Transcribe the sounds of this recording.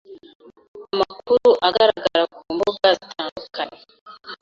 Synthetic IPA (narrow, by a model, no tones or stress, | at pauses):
amakuɾuʔaɡaɾaɡaɾakuːmbuɡɡazitʰaːndukʰane